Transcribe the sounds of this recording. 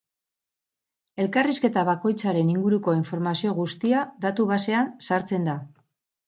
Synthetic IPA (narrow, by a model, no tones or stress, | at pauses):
e̞lkariske̞t̪aβako̞jt͡saɾe̞niŋɡuɾuko̞iɱfo̞ɾmasio̞ɣust̪iaðat̪uβase̞ansaɾt͡se̞nd̪a